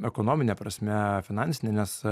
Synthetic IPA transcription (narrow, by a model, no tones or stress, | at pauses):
ɛkoːnoːmʲɪnʲepɾɐsʲmʲɛfʲɪnɑnʲsʲɪnʲenʲɛs